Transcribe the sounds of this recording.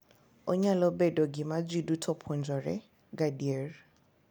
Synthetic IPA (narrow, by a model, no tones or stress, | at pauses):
ʊɲalɔbɛdɔɡimad͡zwidutʰɔpʰɔnd͡ʒɔrɛ̰ | ɡadiɛr